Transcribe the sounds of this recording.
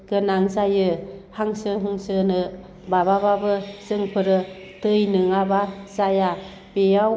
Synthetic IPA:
ɡ̥ɯnaŋzajɯhaŋsɯɦuŋsɯnɯ | babababɯzɯŋpʰɯɾɯ | tɯjnɯŋabazaja | bejaw

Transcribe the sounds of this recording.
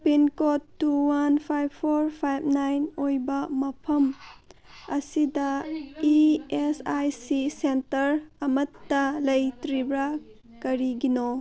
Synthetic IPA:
pinkotːuwanpʰajbʰoɾpʰajbnajnojbɐmɐpʰɐm | ɐsidɐiesajsisentɐɾɐmɐtːɐlɐjtɾibɾa | kɐɾiɡino

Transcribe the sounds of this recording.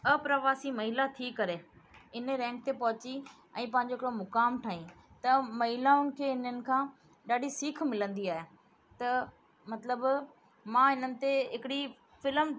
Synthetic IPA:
əpɾəʋaːsimɐɦɪlat̪ʰikɐɾeɪnəɾɛ̃ːŋk̚t̪epɐɦʊt͡ɕi | ɛ̃ːpɐ̃ɦɪ̃ɲ̆d͡ʑoɪkɾomʊkaːmʈʰaːɦĩ | t̪ɐmɐɦɪlaʊnɪ̆kʰeːɪnənɪ̆kʰãː | ɗaːɗisiːkʰmɪlə̃nd̪iaːɦe | t̪ɐ | mɐt̪ləb | mãːɦɪnənɪ̆t̪eɦɪkɪɽi | fɪləm

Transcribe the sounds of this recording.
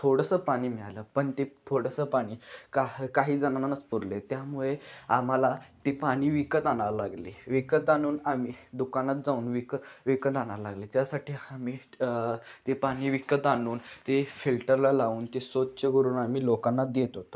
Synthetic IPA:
t̪ʰoɽəsəpaɽ̃iːmiɭaləpəɳt̪et̪ʰoɽəsəpaɽ̃iːkakaɦiːd͡zanananət͡spuɾlet̪jamuɭeam̤alat̪epaɽ̃iːʋikət̪analaɡlḛʋikət̪añuːnamiːd̪ukanat̪̚d͡zauːnʋikəʋikət̪añaɾlaɡlet̪jasaʈiːamiː | t̪epaɽ̃iːʋikət̪anuːnt̪efilʈəɾlalaʋuːnt̪esod̪̚t͡ɕeɡəɾuːnam̤iːlokanːad̪jet̪ɦot̪o̥

